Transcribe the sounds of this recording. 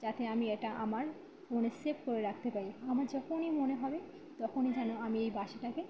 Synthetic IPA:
d͡ʑat̪eamieʈaʔamaɾ | monesepkoɾeɾak̚ʰt̪epaɾiamaɾd͡ʑɔkʰonimoneɦɔbe | t̪ɔkʰonid͡ʑanoamiejbaʃeʈʰake

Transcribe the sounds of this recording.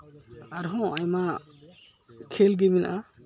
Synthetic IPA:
aɾɦɔ̃ajma | kʰelɡiminaʔa

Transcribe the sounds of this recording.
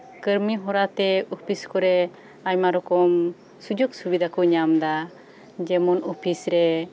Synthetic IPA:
kəɾmiɦɔɾat̪ɛɔpʰiskɔɾɛ | ajmaɾɔkɔm | sud͡ʒuksubid̪ʱakɔɲamd̪a | d͡ʒɛmɔnɔpʰisɾɛ

